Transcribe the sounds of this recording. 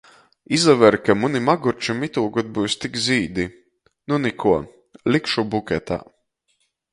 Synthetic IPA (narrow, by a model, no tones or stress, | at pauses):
izavɛɾkamunimaɡuɾt͡ʃimit̪uːɡɔt̪̚bujst̪ikziːd̪i | nunikʰuɔ | lʲikʃubukʲɛt̪a̰ː